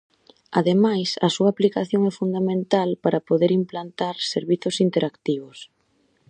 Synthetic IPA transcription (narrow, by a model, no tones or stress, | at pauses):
aðemajsɐsuɐaːplikaθjoŋɛfund̪amẽnt̪alpaɾɐpoðeɾimplant̪aɾseɾβiθʊsint̪eɾʔakt̪iβʊs